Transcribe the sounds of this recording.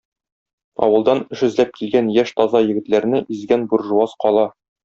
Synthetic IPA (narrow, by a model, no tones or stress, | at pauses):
ɒ̰wɤ̆lˠd̪ɑnɵ̆ʃɘ̆zlæp̚kilɡænjæʃt̪ɒzɑjɘ̆ɡɘ̆t̪læɾnɘʔizɡænbuɾʒuɑsqɒlˠɑ